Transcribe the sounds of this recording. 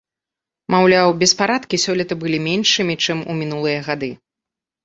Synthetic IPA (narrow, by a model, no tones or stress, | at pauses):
mawlʲawbʲɛspaɾat̪kʲisʲɔlʲit̪ɐbɨlʲimʲɛnʂɨmʲit͡ʂɨmṵmʲinulˠɨjɐɣad̪ɨ